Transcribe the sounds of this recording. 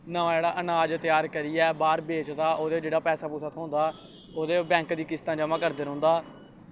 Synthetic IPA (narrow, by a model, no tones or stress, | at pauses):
nəʋãːd͡ʒeːɽaːʔənaːd͡ʒt̪ɪjaːɾkəɾiːɛːbaːɾbeːt͡ʃd̪aːʔoːd̪eːd͡ʒeːɽaːpɛːsaːpuːsaːt̪ʰːond̪aː | oːd̪eːbɛ̃ːŋkd̪iːkɪst̪ãːd͡ʒəmãːkəɾd̪eːɾõːnd̪aː